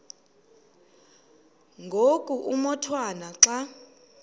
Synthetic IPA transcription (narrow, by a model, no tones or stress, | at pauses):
ŋɡʱokʼuʔumɔtʰwanaǁa